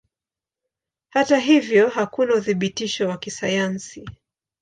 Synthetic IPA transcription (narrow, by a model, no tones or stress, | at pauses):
hataɦivjɔɦakunauθiɓitiʃɔwakisajansi